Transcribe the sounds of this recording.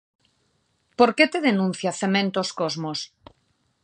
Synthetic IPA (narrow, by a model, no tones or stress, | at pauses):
poɾket̪eðenũn̟θjaθemẽnt̪oskozmos